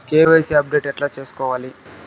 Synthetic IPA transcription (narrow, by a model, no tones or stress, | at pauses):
keːʋeːseɐp̚ɖe̞ːʈɛʈlaːt͡ʃe̞ːsu̥kɔːʋaːli